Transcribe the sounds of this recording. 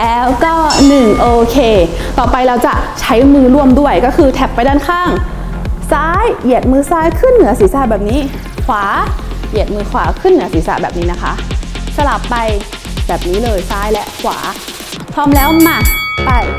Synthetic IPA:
lɛː˦˥wkɔː˥˩nɯ˨˩ŋʔoː˧kʰeː˧ | t̪ɔː˨˩pa˧jɾa˧wt͡ɕa˨˩ʔt͡ɕʰa˦˥jmɯː˧ɾu˥˩əmdu˥˩əjkɔː˥˩kʰɯː˧t̪ʰɛ˧˥pːa˧jdaː˥˩nkʰaː˥˩ŋ | saː˦˥jʔi˨˩ət̪̚mɯː˧saː˦˥jkʰɯ˥˩nːɯ˨˩˦ɐsiː˩˦saː˧˩bɛː˨˩p̚niː˦˥ | kʰwaː˩˦ʔi˨˩ət̪̚mɯː˧kʰwaː˩˦kʰɯ˥˩nːɯ˩˦ɐsiː˩˦sa̰˧˩bɛː˨˩p̚niː˦˥na˦˥kʰa˦˥ʔsa˧la˨˩pːa˧j | bɛː˨˩p̚niː˦˥lɤː˧jsaː˦˥jlɛ˦˥ʔkʰwa̰ː˩˦ | pʰɾɔː˦˥mlɛː˦˥wma˧˩pa˧˩j

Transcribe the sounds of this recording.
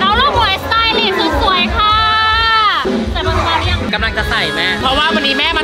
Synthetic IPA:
ɾa˧˩wloː˥˩k̚hu˨˩˦jtaː˧˥jli˧˩t̪̚suː˨˦su˨˩əjkʰaː˧ | a˨˩ɔ˧˩˧aː˧˥ni˦˥˩ka˧mla˧˩ŋt͡ɕa˨˩sa˨˩jma˦˥pʰɔ˦˥waː˥˩wa˧nːiː˦˥mɛː˦˥˩ma˧˦

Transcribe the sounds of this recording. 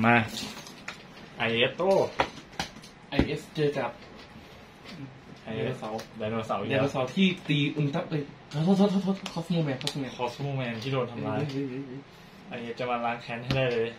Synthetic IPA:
maː˧˩ | ʔa˧jʔe˦˥t̪ʔoː˥˩ | ʔa˧jʔe˦˥st͡ɕɤː˧ka˨˩p̚ | ʔa˧jʔesa˩˦daː˧no˧sa˩˦wdaː˧nː˧uː˧saː˩˦wt̪ʰiː˥˩t̪iː˧ʔu˧˩nt̪a˦˥p̚ʔɤ˧˩˧ | t̪ʰo˧˥˩t̪ʰːt̪ʰːt̪ʰo˥˩˥kʰɔː˦˥sni˧˥˧mɛː˧nkʰɔː˦˥sni˧˩kʰɔː˦˥smoː˥˧˩mɛ˧nt̪ʰiː˥˩oː˧nt̪ʰa˧mlaaː˧˥jj | ʔa˧jʔe˦˥t̚t͡ɕa˧˩maː˧laː˨˦˥ŋkʰɛː˦˥nha˥˩jdaː˥˩jlɤː˧j

